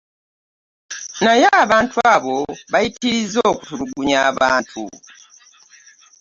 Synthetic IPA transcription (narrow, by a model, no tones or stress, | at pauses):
najaːβaːntʰuaβo̞βajitiɾizoːkutuɾuɡuɲaːβaːntʰṵ